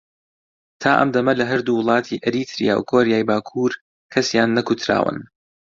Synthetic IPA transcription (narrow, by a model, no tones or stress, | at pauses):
t̪ʰaːʔɐ̰md̪ɐmɐlɐɦɐɾd̪uwɨlˠɑːt̪ʰiʔɐɾit̪ʰɾḭja̰ːwkʰoːɾjaːjbaːkʰuːɾ | kʰɐsjaːnːɐkut̪ʰɾa̰ːwɨ̰n